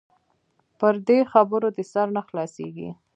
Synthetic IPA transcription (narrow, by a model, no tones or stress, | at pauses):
pəɾd̪exabəɾod̪əsaɾnaxlɑsḛɡḭ